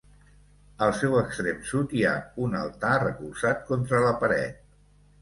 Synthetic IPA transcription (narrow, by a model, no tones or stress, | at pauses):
əlˠsɛwəkst̪ɾemsut̪iaunə̰lˠt̪arəkulzat̪̚kont̪ɾələpəɾɛ̰t̪̚